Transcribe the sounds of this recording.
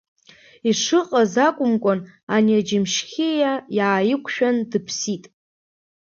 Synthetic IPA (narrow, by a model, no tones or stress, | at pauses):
iʂɨqʼazakʷʼʊmkʷʼonanid͡ʒɪmʃxʲijajaːjɪkʷʰʼʃᶣandɨpʰsitʼ